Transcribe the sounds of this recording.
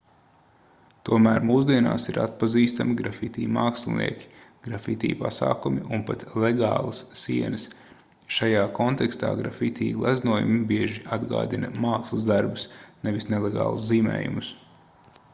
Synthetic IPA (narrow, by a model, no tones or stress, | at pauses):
t̪uɔmæːɾmuːsd̪iɛna̰ːsiɾa̰t̪̚paziːst̪amiɡɾafit̪ʲḭːmaːkslˠnḭɛkʲi̥ɡ̥ɾafit̪ʲḭːpa̰sa̰ːkumiʔunpat̪lˠeɡa̰ːlˠɐsːiɛnəs | ʃajaːkɔnt̪ɛkst̪a̰ːɡɾa̰fit̪ʲiːlˠæznuɔjṵmibiɛʒiad̪ɡa̰ːd̪inɐmaːkslˠɐzd̪aɾbusneʋisneleɡa̰ːlˠusziːmɛ̰ːjṵmus